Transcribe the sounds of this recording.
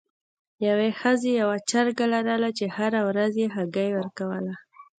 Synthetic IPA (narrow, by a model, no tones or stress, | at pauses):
jawexəzejawat͡ʃaɾɡalaɾalat͡ʃehaɾawɾazjeɦaɡajwəɾkawəla